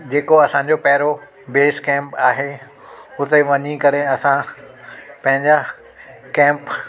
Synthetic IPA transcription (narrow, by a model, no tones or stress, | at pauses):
d͡ʑeːkoɐsãːɲ̆d͡ʑopɐɦɪɾo | beːskɛ̃ːmpaːɦe | ʊt̪eʋɐɲikɐɾeɐsã | pɐ̃ɦɪ̃ɲd͡ʑa | kɛ̃ːmp